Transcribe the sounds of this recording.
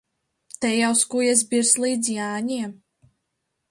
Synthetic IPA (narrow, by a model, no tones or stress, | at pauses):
t̪ɛjawskujɛs̬biɾslˠiːd̪zjaːɲiɛ